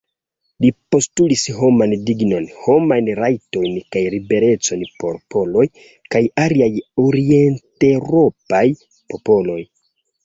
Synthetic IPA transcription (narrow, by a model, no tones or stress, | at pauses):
lipo̞stulisɦo̞mandiɡno̞nho̞majnɾajto̞jnkajɾibe̞ɾe̞t͡so̞npo̞̰ɾpo̞lo̞j | kajaliajoɾie̞nteɾo̞paj | po̞po̞lo̞j